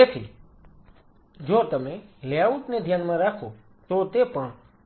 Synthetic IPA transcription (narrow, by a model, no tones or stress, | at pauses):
eːt̪ʰḭ | d͡ʒoːt̪əmẽljaut̪ned̪ʱjaːnmãɾaːkʰo | t̪ot̪epəɳ̃